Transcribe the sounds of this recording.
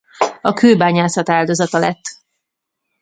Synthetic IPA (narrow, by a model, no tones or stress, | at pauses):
ɒkʰøːbaːɲaːsɒt̪aːld̪o̞zɒt̪ɒlɛt̪ː